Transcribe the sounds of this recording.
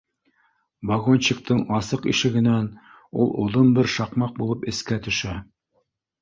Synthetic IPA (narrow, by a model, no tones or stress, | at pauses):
bɑɣont͡ɕɘ̆k̚t̪ɤɴɑsɤqḭʃɘ̆ɡɘ̆næn | ulˠŏ̰ðɤmbɘɾʃɑqmɑq̚bulˠɤpɘ̆skæt̪ɵ̆ʃæ